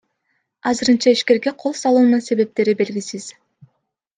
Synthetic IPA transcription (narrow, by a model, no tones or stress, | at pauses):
ɑzɯɾɯnt͡ʃɑiʃke̞ɾɡe̞qʰo̞lˠsɑlˠuːnunse̞βe̞p̚t̪e̞ɾibe̞lɡʲisiz̥